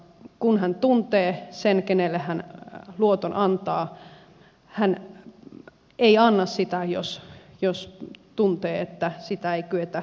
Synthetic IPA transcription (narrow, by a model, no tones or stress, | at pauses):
kunhænt̪unt̪eːsenkenelːehænluot̪onʔɑnt̪ɑː | hæn | eiɑnːɑssit̪æjo̰sjost̪unt̪eːet̪ːæsit̪æeikyet̪æ